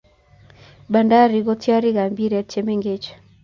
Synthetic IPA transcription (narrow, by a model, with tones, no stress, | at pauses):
ba˨nda˦ɾi˨ɡo˦tja˦ɾɪ˦ɡa˨mbi˦ɾɛ˨˦t͡ʃe˨me˦ŋɡe˦t͡ʃ